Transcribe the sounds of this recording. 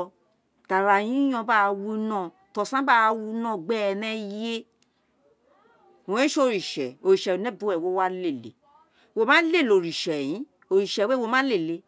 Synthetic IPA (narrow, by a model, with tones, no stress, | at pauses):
d̥a˨ɾa˨j̃ĩ˦j̃ɔ̃˧ba˦˨˧wu˧nɔ̃˦˨ | tɔ˨sã˦ba˦˧wu˧nɔ̃˦˨ɡ͡bɛ˦˧˨nɛ̃˧je˦˨ | õ˨˦ʃo˦˨ɾi˨ʃɛ˨o˨ɾi˨ʃɛ˨nɛ̃˦bũ˦ɛ˨wo˨˦wa˦le˦˨lḛ˨ | wo˧˨mã˦le˦˨lo˨ɾi˨ʃɛ˨jĩ˨˦ | o˨ɾi˨ʃɛ˨we˦wo˧mã˦le˦˨le˧